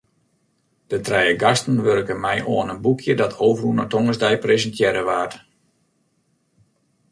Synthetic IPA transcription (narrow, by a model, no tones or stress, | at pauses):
d̥ətrɛjəɡastən̩ʋørkəmɛjʔoənənbukʰjədɔtʰoːvərunətoŋəzdɛjprezəntʰjɛɾəʋaːrt